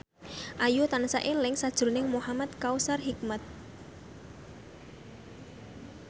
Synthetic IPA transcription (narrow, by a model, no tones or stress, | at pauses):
ʔajut̪ansaʔelɪŋsad̥ʒ̥ʊɾnɪŋmuhamat̪̚kausarɦik̚mat̪̚